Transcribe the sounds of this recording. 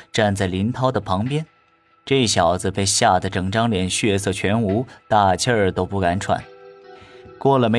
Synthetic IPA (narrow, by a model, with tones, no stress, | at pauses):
ʈ͡ʂa˥˧nt͡sa˥˩li˧˥nt̪ʰɑ˥ʊd̪ə˨pʰɑ˧˥ŋpjɛ˥n | ʈ͡ʂɤ˥˧i˥˩ɕjɑ˨˩ʊd͡z̩˧pe˥˧ɪɕja˥˩d̪ə˩ʈ͡ʂɤ˨˩ŋʈ͡ʂɑ˥ŋljɛ˧˥nɕɥɛ˥˧s̬ɤ˥˩t͡ɕʰɥɛ˧˥nu˧˥t̪a˥˩t͡ɕʰə˥˧˩t̪o˥ʊpu˥˩ka˧˥nʈ͡ʂʰwa̰˨˩˦n | kwɔ˥˩lə˩me˧˥